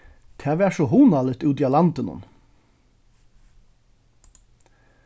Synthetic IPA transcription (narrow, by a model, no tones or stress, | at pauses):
t̪ʰæːʋæːsɔɦuːnalɪt̪ʉːt̪ialɑnt̪ɪnʊ̰n